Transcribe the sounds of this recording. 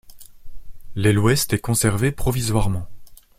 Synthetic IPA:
lɛlwɛst̪ɛkɔ̃sɛʁvepχɔvizwaʁmɑ̃

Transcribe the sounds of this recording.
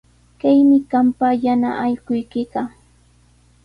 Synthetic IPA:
kajmɪkampajana̰ʔajɢʊjkɪɢɑ

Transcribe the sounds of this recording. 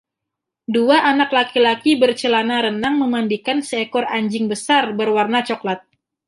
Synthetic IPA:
duaʔanaklakilakibərt͡ʃəlanaɾənaŋməmandikansəekɔraɲd͡ʒɪŋbəsarbərwarnat͡ʃɔklat̪̚

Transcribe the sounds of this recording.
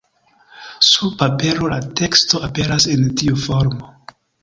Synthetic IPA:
supape̞ɾo̞la̰te̞ksto̞ape̞ɾasentiufo̞ɾmo̞

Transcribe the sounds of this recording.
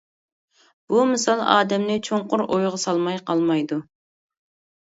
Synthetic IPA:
b̥umɨsɑlˠɑ̰ːd̪ɛmnɪt͡ʃʰoɴqʊɾojʁɑsɑlˠmɑjqɑlˠmɑjd̪u

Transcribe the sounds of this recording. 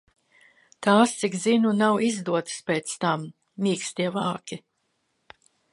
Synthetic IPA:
t̪aːst̪sikzinunawizd̪uɔt̪spʲeːt̪st̪amː | iːkst̪iɛvaːkʲi

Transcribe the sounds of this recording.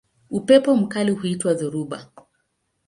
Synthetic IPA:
upɛpɔm̩kalihuitwaðɔɾuɓa̰

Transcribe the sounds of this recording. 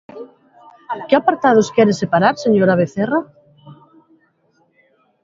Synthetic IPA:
keapaɾt̪að̞oskjeɾesepaɾaɾseɲoɾaβ̞eθera

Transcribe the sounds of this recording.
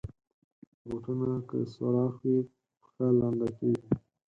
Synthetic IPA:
buʈunakə̰sa̰ɾɑxwi | xaland̪akewi

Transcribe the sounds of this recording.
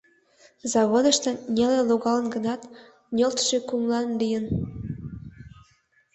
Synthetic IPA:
zɑβod̪əʃt̪ə̆nʲeleloɣɑlənɡə̆nɑt̪ | nʲølt̪ʃekumlɑnlijən

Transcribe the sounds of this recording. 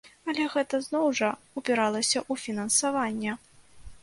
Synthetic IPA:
ɐlʲɛɣɛt̪ɐznɔwʐɐ | upʲɛɾalˠɐsʲɐʔufʲinɐnsavanʲːɛ

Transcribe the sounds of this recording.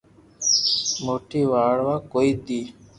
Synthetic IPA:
moːʈiːʋaːɽʋaːkoːiːd̪iː

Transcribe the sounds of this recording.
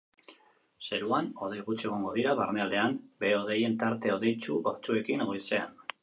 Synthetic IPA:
se̞ɾuano̞ð̞ejɣut͡se̞ɣ̞o̞ŋɡo̞ðiɾaβaɾmeald̪e̞ambe̞o̞ðe̞je̞nt̪aɾt̪e̞o̞ðe̞jt͡ʃuoɾt͡sue̞kineɣojse̞an

